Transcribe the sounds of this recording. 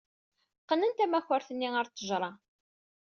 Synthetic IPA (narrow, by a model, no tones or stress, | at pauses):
qːənənt̪æmæçəɾθənːiəɾt͡s̪ˤːəʒɾˤɑ